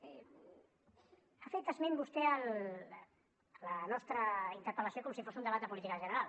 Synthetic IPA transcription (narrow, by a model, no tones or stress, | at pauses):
afekt̪əzmembust̪ɛəl | ələnɔst̪ɾəint̪əɾpələsiokɔmsifosund̪əβat̪əp̬ulit̪ikəʒənəɾal